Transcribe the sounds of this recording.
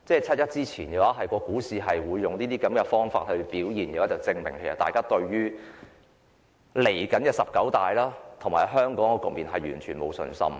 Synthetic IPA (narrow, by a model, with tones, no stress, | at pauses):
t͡sɛː˥˩t͡sʰɐ˥t̚jɐ˥t̚t͡siː˥t͡sʰiː˨˩njɛː˨˧˥waː˨˥ɦɐ˨jkɔː˧kuː˨˥siː˨ɦɐ˨jwuː˨˧jːʊ˨ŋliː˥t̪iː˥kɐ˨˥mkɛ˧fɔː˥ŋfa̰ː˧t̚hɵ˧ɥpiː˨˥wjiː˨˩njɛː˧waː˨˥t͡sɐ˨˩wt͡sɪ˧ŋmɪ˨˩ŋkʰe˨˩jsɐ̰˨˩t̪aː˨jkaː˥t̪ɵ˧ɥɥyː˥ | le˨˩jkɐ˨˥nkɛː˧sɐ˨p̚kɐ˨˥wt̪aː˨jlaː˥t̪ʰʊ˨˩ŋmaː˨˩ɦœː˥ŋkɔː˨˥ŋkɔ˧kʊ˨k̚miː˨nɦɐ˨jy̰ː˨˩nt͡ʃʰyː˨˩nmo̰˨˧wsɵ̰˧nsɐ̰˥m